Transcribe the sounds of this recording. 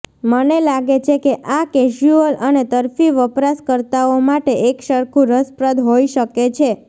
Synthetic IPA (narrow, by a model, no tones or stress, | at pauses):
mənelaɡet͡ʃʰekeʔaked͡ʒuələnet̪əɾfiʋəpɾaskəɾt̪aomaʈeekʃəɾkʰũɾəspɾəd̪ɦoiʃəket͡ʃʰe